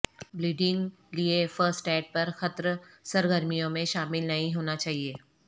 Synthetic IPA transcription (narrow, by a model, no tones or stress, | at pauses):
bɾiːɖin | liefəɾsʈɛːʈ̚pɐɾxɐt̪ɾsɐɾɡəɾmijõmẽʃaːmɪlnɐɦĩɦoːnat͡ʃaːɦieː